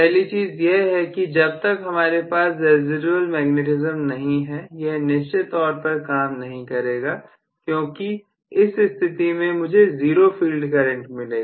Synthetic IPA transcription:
pɛɦlit͡ʃiːzjeɦɛkid͡ʒɐb̚t̪ɐkɦɐmaːɾepaːsdɛːzɪɖubəlmɛːɡneʈɪzəmnɐɦĩɦɛjɛɦnɪʃt͡ʃet̪ɔːɾpɐɾkaːmnɐɦĩkɐɾeːɡaː | kjõːki | ɪsɪst̪ʰɪt̪imẽmʊd͡ʒʱeziːɾofiːlɖkɐɾə̃ɳʈmɪleːɡaː

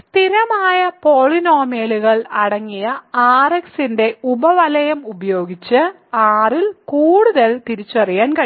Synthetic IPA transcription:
st̪iɾɐmaːjɐpo̞ːɭino̞ːmeːɭuɣɐɭɐɽɐŋːijɐaːreksinde̞ubɐʋɐlɐjɐmubɐjo̞ːɡit͡ɕːɨ | aːrilkuːɽuðɐlt̪iɾit͡ɕːuɐrijaːnkɐ

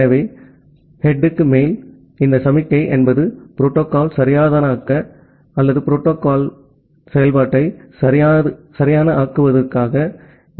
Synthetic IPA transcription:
ɐʋe | hɛɖːɯkːɯmeːl | ɪnd̪ɐsɐmɪkːɐɪʔɛnbɐðɯpɪɾoːʈːoːkaːlsɐɾɪjaːðɐːnɐaːkːɐ | ɐlːɐðɯpɪɾoːʈːoːkaːl | sɛjɐlpaːʈːɐɪsɐɾɪjaːɐɯsɐɾɪjaːnɐʔaːkɯʋɐðɐrkaːɣɐ

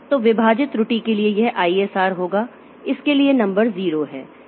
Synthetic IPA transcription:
t̪oʋɪbʱaːd͡ʒɪt̪ɾʊʈikeliejɛɦʔaːiːeːsaːɾɦoːɡaː | ɪskelienɐ̃mbəɾziːɾoɦɛː

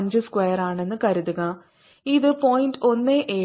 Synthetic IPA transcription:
ɲd͡ʑɨskwejɐraːɳe̞nːɨkɐɾuðuɣɐ | iðɨpoːjndo̞nːeʔeː

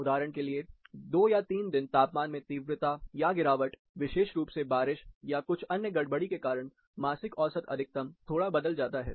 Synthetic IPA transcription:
ʊd̪aːɾəɽ̃kelied̪oːjat̪iːnd̪ɪnt̪aːpmaːnmẽt̪iːʋɾɪt̪ajaɡɪɾaːʋəʈ | ʋɪʃeːʃɾuːpsebaːɾɪʃjakʊt͡ʃʰɐnjəɡɐɽbəɽikekaːɾəɽ̃ | maːsɪkɔːsət̪ɐ̰d̪ʱɪk̚t̪əmt̪ʰoːɽabɐd̪əld͡ʒaːt̪aɦɛ̰ː

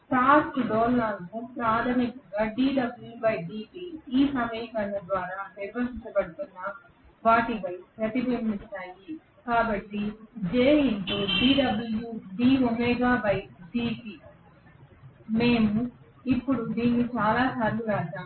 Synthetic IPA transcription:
ʈaːɾkɖoːlːaːnkupɾaːt̪ʰɐmikɐŋɡaːɖiːɖɐbulubɐjɖiːkiiːsɐmɐjɐkɐnːɐd̪ʋaːɾaːpeːbɐɾsiɲt͡ʃɐbɐɽut̪unːɐ | ʋaːʈipɐjpɾɐt̪ibɐmːist̪aːji | kaːbɐʈːid͡ʒeːint̪oːɖiːɖɐbuljuɖiːomɛːɡaːbɐjɖiːki | me̞ːmu | ipːuɽud̪iːnːit͡ʃaːlaːsaːɾluɾaːʃaːm

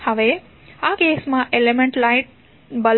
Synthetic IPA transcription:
həʋe | akesmãʔelemẽɳʈlaɪʈ̚ | bəl

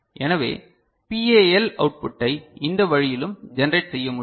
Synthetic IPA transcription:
ʔɛnɐʋḛː | pieːɛlɐʊʈ̚pʊʈːɐɪɪnd̪ɐʋɐɻɪjɪlɯmd͡ʒɛnɐɾeɪʈsɛjːɐmʊ

